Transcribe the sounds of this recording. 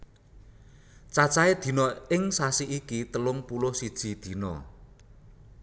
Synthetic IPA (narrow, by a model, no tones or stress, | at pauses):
t͡ʃat͡ʃaed̪̥i̤nɔɪŋsasiʔikit̪əlʊŋpulʊhsid̥ʒ̥i̤d̪̥i̤nɔ̰